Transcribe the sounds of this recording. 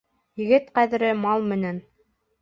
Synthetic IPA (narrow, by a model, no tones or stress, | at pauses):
jɘ̆ɡɘt̪qæðɘ̆ɾɘmɑlˠmɘ̆næn